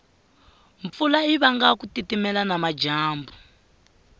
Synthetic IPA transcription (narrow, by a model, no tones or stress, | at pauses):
ɱp̪fulaiβaŋɡakutitimɛlanamad͡ʒaːmbu